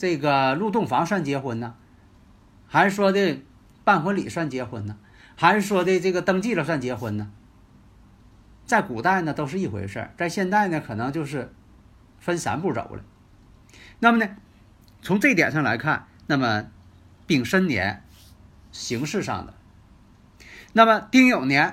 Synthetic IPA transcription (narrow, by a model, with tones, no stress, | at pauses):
ʈ͡ʂɤ˥˩ɡə˩lu˥˧t̪̬ʊ˥˩ŋfɑ˧˥ŋʂwa˥˩nt͡ɕjɛ˥xwə˧˥nnə˨˧ | xa˧˥ɪʂɻ̩˥˩ʂwɔ˥t̪e˥˧ɪ | pa˥˩nxwə˧˥lḭ˨˩ʂwa˥˩nt͡ɕjɛ˥xwə˧˥nnə˧ | xa˧˥ɪʂɻ̩˥˩ʂwɔ˥t̪e˥˧ɪʈ͡ʂɤ˥˩ɡə˩t̪ɤ˥ŋt͡ɕi˥˩lə˩swa˥˩nt͡ɕjɛ˧˥xwə˧˥nnə˨ | t͡sa˥˩ɪku˨˩t̪a˥˩ɪnə˩t̪o˥ʊʂ̬ɻ̩˥˧i˥˩xwḛ˧˥ɪʂə̰˞˥˩t͡sa˥˧ɪɕjɛ˥˧nt͡sa˥˩ɪnə˩kʰɤ˨˩nɤ˧˥ŋt͡ɕjo˥˧ʊʂ̬ɻ̩˥˩ | fə˥nsa̰˧˥npu˥˩ʈ͡ʂo̰˨˩ʊlə̰˧ | na˥˩mə˩nə˧ | t͡sʰʊ˧˥ŋt͡sɤ˥˩˧i˥˩t̪jɛ̰˨˩nʂɑ˥˩ŋla˧˥ɪkʰa˥˩nna˥˩mə˩ | pi˥˩ŋʂə˥nnjɛ̰˧˥n | ɕi˧˥ŋʂɻ̩˥˧ʂɑ̰˥˩ŋd̪ə̰˩ | na˥˩mə˩t̪i˥˩ŋjo˨˩ʊnjɛ˧˥n